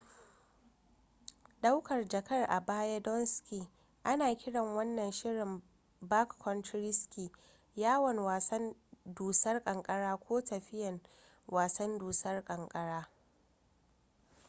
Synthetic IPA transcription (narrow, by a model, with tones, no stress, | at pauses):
ɗa˦wkɐ˨rd͡ʒɐ˨kɐ˦rʔa̰˨baː˦ja˦dɔ˦nskʲi˨ | ʔa˦naː˨kʲɪ˦ɽɐ˨ŋwɐ˦nːɐ˨nʃɪ˦ɽɪ˨m | ba˦kːɔ˦ntɾɪ˦skʲi˨ | jaː˦wɐ˨nwaː˨sɐ˦nduː˨sɐ˦rkʼɐ˨ŋkʼɐ˦ɽaː˦kʷoː˦tɐ˨ɸɪ˦jɐ˨n | waː˨sɐ˦nduː˨sɐ˦rkʼɐ˨ŋkʼɐ˦ɽaː˦